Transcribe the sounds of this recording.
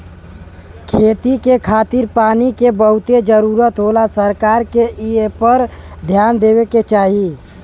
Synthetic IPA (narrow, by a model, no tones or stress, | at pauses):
kʰeːt̪ikekʰaːt̪ɪɾpaːnikebəɦʊt̪ed͡ʒəɾuːɾət̪ɦoːlasəɾkaːɾkeʔiepəɾd̪ʱjaːnd̪eːweket͡ʃaːɦi